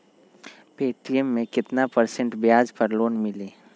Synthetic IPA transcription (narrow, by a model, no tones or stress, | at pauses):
peːʈijəmːẽkɪt̪napəɾsə̃ɳʈbjaːd͡ʒpɐɾloːnmɪleː